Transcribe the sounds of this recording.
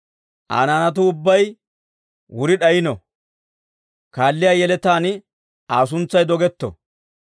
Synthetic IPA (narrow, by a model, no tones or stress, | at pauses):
ʔa̰ːnaːnɐt̪̬ʊʊbːɐj | wʊɾɪɗɐjɪnɔ | kaːlːɪjaːjɛlɛt̪aːnɪ | aːs̬ʊnt͡sːɐjd̪ɔɡɛt̪ːɔ̰